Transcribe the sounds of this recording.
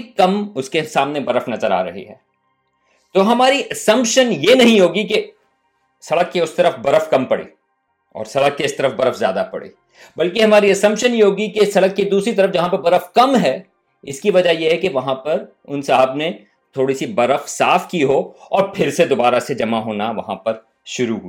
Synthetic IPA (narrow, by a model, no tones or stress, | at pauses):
kɐmʊskesaːmnebɐɾəfnɐzəɾa̰ːɾɐ̰ɦḭɦɛ̰ː | t̪oːɦɐmaːɾiʔɐsɐ̃mpʃənjenɐɦĩɦoːɡik̬e | sɐɽəkːeʊst̪ɐɾəfbɐɾəfkɐmpɐɽḭː | ɔ̰ːɾsɐɽəkːeɪst̪ɐɾəfbɐɾəfzjaːd̪apɐ̰ɽḭː | bɐlkeɦɐmaːɾiɐsɐ̃mpʃənjeɦoːɡikesɐɽəkːed̪uːsɾit̪̬ɐɾəfd͡ʒɐɦãpɐɾbɐɾəfkɐmɦɛː | ɪskiʋɐd͡ʒajeɦɛkeʋɐɦãpɐɾ | ʊnsaɦəbne | t̪ʰoːɽisibɐɾəfsaːfkiɦoːɔːɾpʰɪɾsed̪obaːɾased͡ʒɐmaɦoːnaʋɐɦãpɐɾ | ʃʊɾuɦuiː